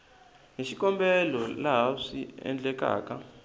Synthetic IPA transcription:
ŋeʃikʼɔmbɛlɔlaɦaʂiɛ̰nd͡ɮʼɛkʼa̰ːkʼa

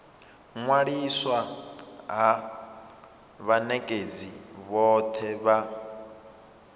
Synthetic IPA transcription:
ŋwaɺiswa | ɦa | βanɛkʼed͡ziβɔt̪ʰɛβa

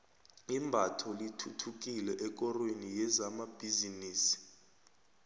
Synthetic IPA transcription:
imbʱatʰɔlitʰutʰuk̬ʼilɛʔɛk̬ʼɔrwenijɛzamab̥ʱiziniːsi̥

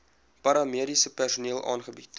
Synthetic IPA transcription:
pɐɾɑmiəɾisəpærsuniəlˠʔɑ̰ːnχəbit

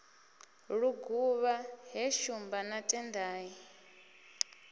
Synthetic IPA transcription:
ɺuɡuβaɦɛʃumbanatʼɛndaːji

